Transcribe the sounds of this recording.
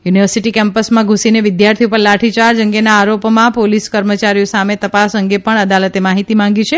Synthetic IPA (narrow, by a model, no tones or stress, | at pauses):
juniʋəɾsiʈikɛmpəsmãɡʱũsineʋɪd̪jaɾt̪ʰiupəɾlaʈʰit͡ʃaɾd͡ʒəŋɡenaːɾopmãpoliskəɾmət͡ʃaɾijosamet̪əpasəŋɡepəɳəd̪alət̪emaɦit̪imãŋɡit͡ʃʰe